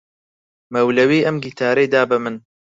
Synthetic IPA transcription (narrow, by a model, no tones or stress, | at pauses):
mɐwlɐwiːʔɐmɡit̪ʰaːɾejd̪aːbɨmɨn